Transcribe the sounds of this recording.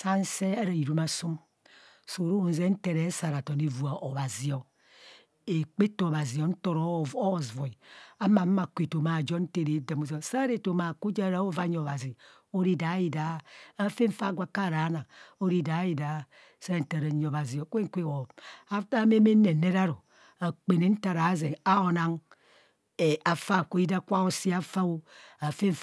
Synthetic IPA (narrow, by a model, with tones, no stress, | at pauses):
sa˦n̩˦se˦e˦ɾa˨i˨ɾu˦ma˨su˦m | so˨ɾo˦˨n̩˨ze˦n̩˦te˨ɾe˨˦sa˨ɾa˨to˨ne˨vu˨a˨ʔo˨βa˨zi˨o˨ | e˨k͡pe˦to˨o˨βa˨zi˨o˨n̩˦to˨ɾo˦˨o˦˨zvo˨i˨a˦ma˨m˦ma˨kʷe˨to˨ma˨d͡ʒo˦n̩˦te˦˨ɾe˨˦da˨mo˨zo˨sa˦ɾe˨to˨ma˨ku˦d͡ʒa˦ɾa˦o˦va˦ɲ˦o˨βa˨zi˨ | o˦ɾi˦da˨˦i˨da˨˦a˨fe˦ɱ̩˦fa˦ɡʷa˨ka˦˨ɾa˨˦na˨o˦ɾi˦da˨˦i˨da˨˦ | sa˦˨n̩˨ta˨ɾa˨ɲ˨o˨ba˨zi˨o˨kʷe˦ŋ˦kʷe˦wo˨a˦ta˦me˦me˦ne˨ne˦ɾa˦ɾo˨ | a˨k͡pe˨ne˨˦n̩˦ta˨ɾa˨˦ze˨a˦o˨na˦ŋ | e˨ʔa˨fa˦˨ko˦i˦da˦kʷa˦o˦si˦a˦fa˦o˦a˨fe˦ɱ˦